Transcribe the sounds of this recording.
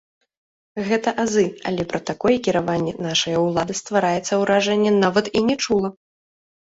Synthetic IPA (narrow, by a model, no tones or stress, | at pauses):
ɣɛt̪ɐʔazɨa̰lʲɛpɾɐt̪akɔjɛkʲiɾavanʲːɛnaʂɐjɐwlˠad̪ɨst̪vaɾajɛt̪sːɐwɾaʐɛnʲːɛnavɐt̪inʲɛt͡ʂulˠɐ